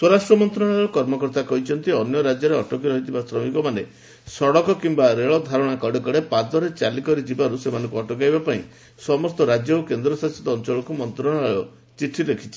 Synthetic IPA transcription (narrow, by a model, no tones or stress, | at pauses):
swɔɾasʈɾɔmɔnt̪ɾɔɽ̃aɭɭɔkɔɾmɔkɔɾt̪akɔɦit͡ʃʰɔnt̪iɔnjɔɾad͡ʒjɔɾeɔʈɔkiɾɔɦit̪ʰibasɾɔmikɔmane | sɔɽɔkɔkimbaɾeɭɔd̪ʱaɾɔɽ̃akɔɽɔkɔɽepad̪ɔɾet͡ʃalikɔɾid͡ʒibaɾusemanɔ̃ŋkuɔʈɔkajbapaĩ | sɔmɔst̪ɔɾad͡ʒjɔukend̪ɾɔsasit̪ɔːnt͡ʃɔɭɔkumɔnt̪ɾɔɽ̃aɭɔ | t͡ʃiʈʰːilekʰit͡ʃʰi̥